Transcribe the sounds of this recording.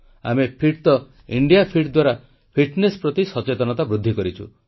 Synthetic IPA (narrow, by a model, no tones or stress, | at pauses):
a̰mepʰiʈt̪ɔ | iɳɖijapʰiʈd̪waɾa | pʰiʈnespɾɔt̪isɔt͡ʃet̪ɔnɔt̪abɾud̪ʱːikɔɾit͡ʃʰu